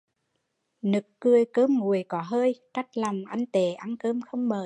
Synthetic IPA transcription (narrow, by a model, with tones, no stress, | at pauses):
nɨ˨˩kːɨ˧əjkəː˧mŋu˨˩əjkɔ˨˦ɦəː˧jt͡ɕa˦˥k̚la˨˩wŋ͡mʔa˧ŋt̪e˧˨˩ʔa˧nkəː˧mxə˧wŋ͡mməː˨˩